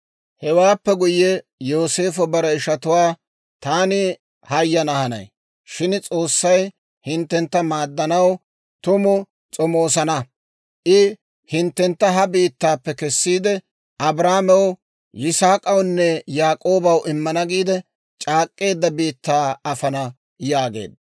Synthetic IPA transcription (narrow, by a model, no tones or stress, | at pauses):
hɛwaːpːɛɡʊjːɛ | jo̞ːse̞ːfɔbɐɾɐɪʃɐt̪ʊwaː | t̪aːnɪ | hɐjːɐnɐhɐnɐ̰j | ʃɪnt͡sʼo̞ːsːɐj | hɪnt̪ːɛnt̪ːɐmaːd̪ːɐnɐw | t̪ʊmʊ | t͡sʼɔmo̞ːsɐnɐ | ʔɪ | hɪnt̪ːɛnt̪ːɐɦɐbiːt̪ːaːpːɛkɛsːiːd̪ɛ | ʔɐbɾaːmɛw | jɪsaːkʼɐwnːɛjaːkʼoːbɐwɪmːɐnɐɡiːd̪ɛ | t͡ʃʼaːkʼːe̞ːd̪ːɐbiːt̪ːaːɐfɐnɐ | jaːɡe̞̰ːd̪ɐ